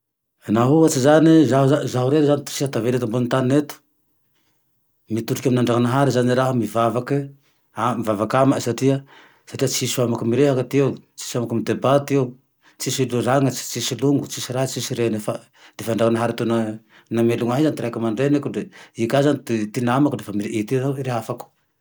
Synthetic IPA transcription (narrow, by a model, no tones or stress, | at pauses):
naɦuat͡sizanizaɦazaɦuɾeɾzanit̪u̥sihat̪avelet̪ambunt̪aninet̪u̥ | mit̪uʈ͡ʂukaminaɳɖ͡ʐakanaɦaɾizaniɾaɦamivavaki | amivavakamasaʈ͡ʂia | saʈ͡ʂiat͡sisuamakamiɾeɦakat̪eut͡si̥samakamid̪ebat̪iew | t͡sisiluraŋat͡si̥t͡sisiluŋɡut͡sisiɾaɦat͡sisiɾenefa | d̪̥efaaɳɖ͡ʐakanaɦaɾat̪una | nameluŋaɦizanit̪iɾakamaɳɖ͡ʐenekuɖ͡ʐeikazanit̪it̪inamakdefamiʔit̪inaɾeɦafaku̥